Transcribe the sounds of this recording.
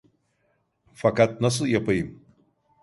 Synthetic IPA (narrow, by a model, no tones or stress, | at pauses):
fakat̪̚nɐs̬ɨjɐpɨjm